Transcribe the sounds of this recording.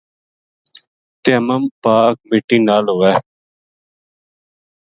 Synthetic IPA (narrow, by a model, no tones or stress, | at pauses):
t̪eəməmpaːk̚mɪʈːiːnaːlɦoːɛː